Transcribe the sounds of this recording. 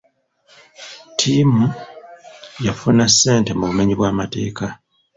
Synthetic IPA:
tʰiːmu | jafunasːe̞ːnte̞muβume̞ɲiβwaːmate̞̰ːka

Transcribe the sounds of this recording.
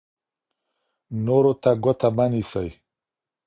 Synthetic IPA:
noɾot̪aɡot̪ʰabanisaj

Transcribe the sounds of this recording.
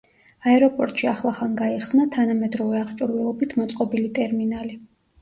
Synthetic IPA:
aɛɾɔpʼɔɾt̪ʼʃiaχlˠaχanɡaiχsnat̪ʰanamɛd̪ɾɔvɛaʁt͡ʃʼuɾvɛlˠɔbit̪ʰmɔt̪sʼqʼɔbilit̪ʼɛɾminali

